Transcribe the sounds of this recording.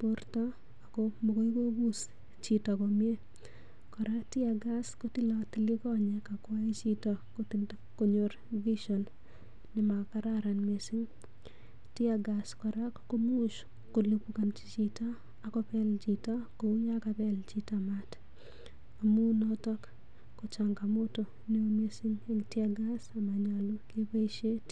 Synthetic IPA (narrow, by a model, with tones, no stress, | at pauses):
portɔ | a˨komoko˦i˦ko˦ɡu˦s | t͡ʃi˨tɔ˨komje˦ | kɔ˨ɾa˦kti˦a˨ɡa˦sko˦ti˦lɔti˦li˦kɔ˦ɲɛ˦kakwae˦t͡ʃi˦tɔkot | ko˦ɲoɾ | vi˦ʃɔ˨n | nɪma˨ka˦ɾaɾa˨nme˨si˦ŋ | ti˦a˨ɡa˨skɔ˨ɾa˦kːo˦mu˦ʃ | ko˨lupuka˨nt͡ʃi˦t͡ʃi˦taː˦˨ | kɔ˦pɛ˦ld͡ʒi˨ta˦ko˨u˦ɲa˦ka˨pɛ˦lt͡ʃi˦tama˦t | a˨mu˦nɔ˦tɔ˦kː | o˨t͡ʃa˨ŋɡa˨mo˦to˨ | ne˦o˦me˦si˦ŋe˦ŋti˦a˦ɡa˦sa˨ma˨ɲa˨lo˦ke˦pa˦i˦ʃe˦t